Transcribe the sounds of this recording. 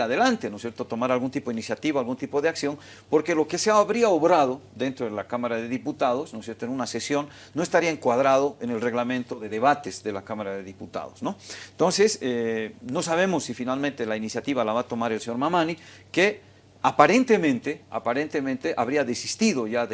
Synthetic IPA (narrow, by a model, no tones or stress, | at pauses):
aðelant̪enosjeɾt̪ot̪o̞maɾalɣunt̪ipoinisjat̪iβaalɣunt̪ipoðeaksjo̞n | po̞ɾke̞lo̞keseaaβɾiaoβɾað̞o̞ðe̞nt̪ɾoðelakamaɾaðe̞ðiput̪aðo̞snosje̞ɾt̪oenunase̞sjo̞nːo̞est̪aɾiaeŋkwaðɾaðoenelre̞ɣlamẽnt̪oðe̞ðe̞βat̪ez̥ðe̞lakamaɾaðe̞ðiput̪a̰ðosno̞nt̪o̞nseseno̞saβ̞e̞mosːifinalmẽnt̪elainisjat̪iβalaβat̪o̞maɾe̞lseɲoɾmamani | ke | apaɾe̞nt̪e̞mẽnt̪e̞a̰paɾent̪emẽnt̪eʔaβɾiaðesist̪iðo̞ʝað